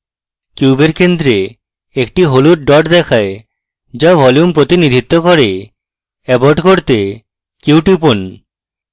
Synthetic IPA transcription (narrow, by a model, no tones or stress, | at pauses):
kjubeɾkend̪ɾe | ekʈiɦoluʈ̚ɖɔʈd̪ɛkʰae | d͡ʑabʱɔljumpɾot̪inid̪ʱit̪ːokɔɾe | ɛboɖkoɾt̪e | kiwʈipon